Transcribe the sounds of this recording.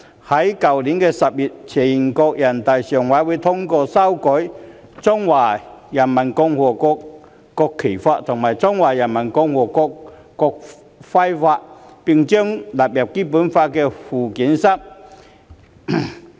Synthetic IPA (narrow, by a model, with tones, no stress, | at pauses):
hɐ˨˥jkɐ˨wli˨˥nkɛː˧sɐ˨p̚jiː˨t̚t͡sʰɛː˨˩ji˨˩nkɔː˧k̚jɐ˨˩nt̪a˨jsœː˨˩ŋwaː˨˥wuː˨˧jt̪ʰʊ˥ŋkɔː˧sɐ˥wkɔ˨˥j | t͡sɔ˥ŋwaː˨˩jɐ˨˩nmɐ˨˩nkʊ˧ŋhɔː˨˩kɔː˧k | kɔː˧kʰːe˨˩jfaː˧t̚t̪ʰʊ˨˩ŋmaː˨˩jt͡sɔ˥ŋwaː˨˩jɐ˨˩nmɐ˨˩nkɔ˧ŋwɔː˨˩kɔː˧k | kɔː˧k̚ | fɐ˥jfaː˧t̚pɪ˨ŋt͡ʃœː˥ŋlaː˨p̚jɐ˨p̚kiː˥puː˨˥nfaː˧t̚kɛː˧fuː˨˩kiː˨˥nsɐ˥p̚